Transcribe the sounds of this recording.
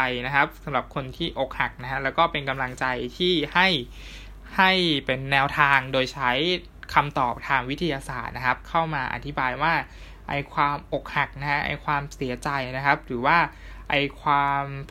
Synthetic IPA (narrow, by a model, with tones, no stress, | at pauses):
jna˦˥kʰa˦˥p̚sa˩˦mɾa˨˩p̚kʰo˧nt̪ʰiː˥˩ʔo˨˩k̚ha˨˩k̚na˦˥kʰa˦˥lɛː˦˥wkɔː˥˩pe˧nka˧mla˧ŋt͡ɕa˧jt̪ʰiː˥˩ha˥˩j | ha˥˩jpe˧nːɛː˧wt̪ʰaː˧ŋdoː˧jt͡ɕʰa˦˥j | kʰa˧mt̪ɔː˨˩p̚t̪ʰaː˧ŋwi˦˥t̪ʰːi˧jaː˧saː˨˩t̪̚na˦˥kʰa˦˥p̚kʰa˥˩wmaː˧ʔa̰˨t̪ʰi˦˥baː˧jwaː˥˩ | ʔa˧jkʰwaː˧mʔo˨˩k̚ha˨˩k̚na˦˥hʰa˦˥ʔa̰˧jkʰwaː˧msi˩˦ɐt͡ɕa˧jna˦˥kʰa˦˥p̚ɾɯː˩˦waː˥˩ | ʔa˧jkʰwaː˧m